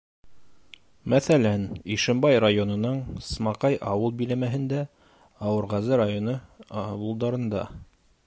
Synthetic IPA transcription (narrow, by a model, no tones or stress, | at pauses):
mæθælæniʃɘ̆mbɑjrajonɤ̆nɤɴsmɑqɑjʔɑwɤlˠbilæmæɦɘ̆nd̪æ | ɑwɤ̆ɾʁɑzɤɾajonɤɑwɤ̆lˠd̪ɑɾɤ̆nd̪ɑ̰